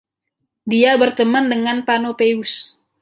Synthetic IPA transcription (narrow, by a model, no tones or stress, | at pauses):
diabərt̪əməndəŋanpanopeus